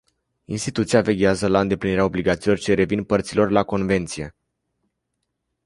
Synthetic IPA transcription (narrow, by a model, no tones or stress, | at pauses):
inst̪it̪ut̪siave̞ɡʲeazəlaɨnd̪e̞pliniɾeao̞bliɡat̪siːlo̞rt͡ʃe̞ɾe̞vinpərt̪silo̞rlako̞nve̞nt̪sije̞